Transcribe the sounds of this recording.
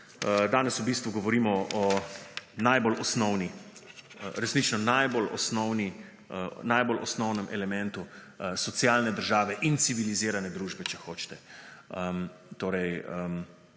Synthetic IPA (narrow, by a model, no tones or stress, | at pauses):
d̪aːnɛsubist̪ʋuɡɔʋɔɾiːmɔɔ | najbolʔɔsnɔwni | ɾɛsnit͡ʃnɔnajbolɔ̰snɔwni | najbolɔ̰snɔwnɛmʔɛlɛmɛ̃nt̪u | sɔt̪sijaːlnɛd̪əɾʒaːʋɛʔint̪siʋiliziːɾanɛd̪ɾuːʒbɛt͡ʃɛxoːt͡ʃt̪ɛəmt̪oːɾɛjəm